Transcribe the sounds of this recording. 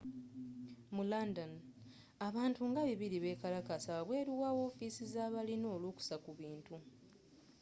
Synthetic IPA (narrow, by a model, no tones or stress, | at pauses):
mulandan | aβaːntuŋɡaβiβiɾiβe̞ːkalakasaβaβwe̞ːɾiwaːwo̞ːfiːsizaːβalino̞ːluku̥sakuβiːntu